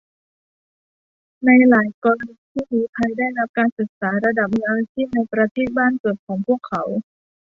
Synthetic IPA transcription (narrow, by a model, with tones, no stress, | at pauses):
na˧jlaː˩˦jkɔː˧ɾa˧ni˧˥t̪ʰiː˥˩niː˨˦t̪ʰa˧jdaː˥˩jna˦˥p̚kaː˧nsɯ˨˩k̚saː˩˦ɾa˧da˨˩p̚ŋaː˧wt̪ʰiː˥˩na˧jpɾa˧t̪ʰeː˥˩t̪̚baː˥˩nkɤ˨˩t̪̚kʰɔː˩˦ŋpʰu˥˩əkʰːa˩˦w